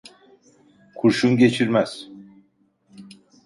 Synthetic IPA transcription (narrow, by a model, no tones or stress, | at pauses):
kʰuɾʃumɟe̞t͡ʃʰiɾmæz̥